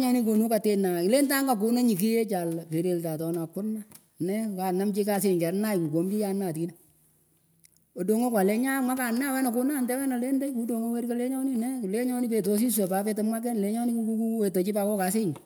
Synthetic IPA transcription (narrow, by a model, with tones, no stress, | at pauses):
ɲɔ˦ni˦k̬o˨nu˦ka˨te˦na˨ɪ˨le˦nta˦ŋɡa˨k̬ʊ˦na˦ɲi˨k̬i˦je˦t͡ʃa˨lpe˨ɾe˨lta˨tɔ˨na˨kːʊ˦na˦ | nɛ˦ka˨na˦mt͡ʃi˦ka˨s̬ɪ˨ɲka˨˦na˦jku˨ko˨˦mki˦ja˨˦nːa˨ti˦na˦ | o˨do˨ŋo˦kwa˨lɛ˦ɲa˦mwa˦ka˨nːɛ˦a˨wɛ˦nɔ˨kʊ˦na˦˨ndɛ˦wɛ˦na˨le˦nda˦jku˦do˨ŋo˦we˦ɾko˦le˦ɲɔ˦nɪ˦nɛ˦˨le˦ɲɔ˦ni˦pe˨to˦s̬i˦s̬e˨pa˨˦fe˦to˦mwa˦k̬ɛ˦nle˦ɲɔ˦ni˦ku˦ku˦ku˦we˨to˨t͡ʃɪ˦pa˨kɔ˦ka˨˦sɪ˦ɲ